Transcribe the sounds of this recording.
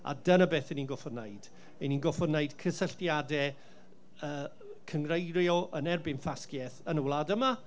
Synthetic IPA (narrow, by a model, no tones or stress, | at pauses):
a̰dənəbeːθɛniːnɡɔfɔdnejd̥ | ɛninɡɔfɔrneɨdkʰəsəɬtjadɛ | əː | kʰəŋrejɾjɔʔənɛrbɪnfaskjɛθənəwlˠadəma